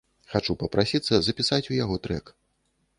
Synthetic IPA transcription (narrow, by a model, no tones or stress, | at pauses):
xat͡ʂupɐpɾʔasʲit̪sːɐzɐpʲisat͡sʲujaɣɔt̪ɾɛk